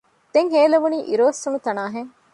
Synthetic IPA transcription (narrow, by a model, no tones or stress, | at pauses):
d̪̥eŋɦeːlɐʋuniːʔiɾoːsːunut̪ɐnaːɦeŋ